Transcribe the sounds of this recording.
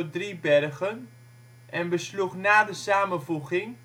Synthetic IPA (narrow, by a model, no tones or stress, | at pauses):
ədribɛrɣən | ʔɛnbəsluχnaːdəsaːmənvuɣɪŋ